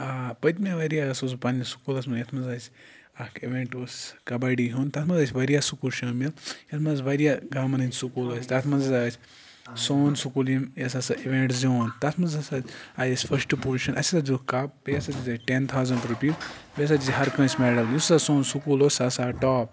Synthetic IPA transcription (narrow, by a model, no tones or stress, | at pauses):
aːpɐt̪mʲaʋɐɾijaɐsospɐnisu̥kuːlɐsmɐnjɐt̪ʰmɐnzasʲ | ɐkiʋẽːɳʈosʲkɐbaɖiɦunt̪ɐt̪ʰmɐnzɐsʲʋɐɾijasukulʃɐːmiljɐt̪ʰmɐnzʋɐɾijaɡaːmɐnɐnʲsukuːlɐsʲt̪ɐt̪ʰmɐnzɐsʲasʲ | soːnsukulimjɐsasɐiʋẽɳʈzoːnt̪ɐt̪ʰmɐnzɐsaajɐsʲfʰɐɾsʈpuːlʃɐnʔɐ̰sʲsad͡ʒukap̚bijɐsatʲizɐʈent̪ʰaːwzɐɳɖɾupiːzbes̬atʲiɦɐɾkɐ̃ːsʲmeːɖɐljissasoːnsukuːloːsʲasaʈɔːp